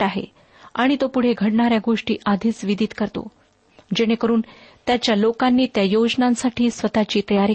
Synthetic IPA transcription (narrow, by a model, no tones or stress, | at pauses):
aɦḛ | aɽ̃it̪opuɽ̤eɡʱəɽɳaɾjaɡoʂʈḭːʔad̪ʱiːt͡sʋid̪ʱit̪kəɾt̪o̰ | d͡ʑeɽ̃ekəɾuːnt̪jat͡ɕjalokanːiːt̪jajod͡ʑnãnsaʈʰiːsʋət̪at͡ɕiːt̪əjaɾi